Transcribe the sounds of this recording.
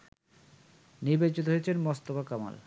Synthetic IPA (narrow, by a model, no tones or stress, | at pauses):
niɾbet͡ɕit̪oɦojet͡ɕʰenmɔst̪obakama̰l